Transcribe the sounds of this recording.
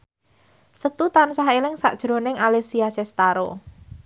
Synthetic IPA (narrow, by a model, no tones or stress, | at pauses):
sət̪ut̪ansaɦelɪŋsa̰ʔd̥ʒ̥ɾo̤nɪŋalesiasɛst̪aɾo